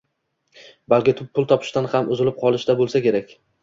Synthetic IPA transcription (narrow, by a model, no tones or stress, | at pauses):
balkʲɪt̪ʰʊpʰːʊlˠt̪ʰɒpʰɪ̥ʃt̪anhamʔʊzɪlɪp̚qʰɒlˠɪʃt̪abolˠsakʲe̞ɾakʲ